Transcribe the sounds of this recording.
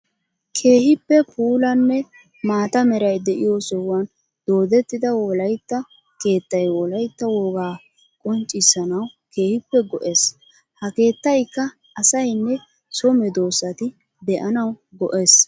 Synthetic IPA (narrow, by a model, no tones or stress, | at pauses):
kʰe̞ːhɪpːɛpʰuːlɐnːɛ | maːt̪ɐmɛɾɐjd̪ɛʔɪjosɔwɐn | d̪̥o̞ːd̪ɛt̪ːɪd̪ɐwɔlɐjt̪ːɐ | ke̞ːt̪ːɐjwɔlɐjt̪ːɐwɔɡaː | kʼɔnt͡ʃʼːɪsɐnɐwke̞ːhɪpːɛɡɔʔe̞ːs | hɐke̞ːt̪ːɐjkːɐ | ɐsɐjnːɛ | sɔmɛd̪o̞ːsɐt̪ɪ | d̪ɛʔɐnɐwɡɔʔe̞ːs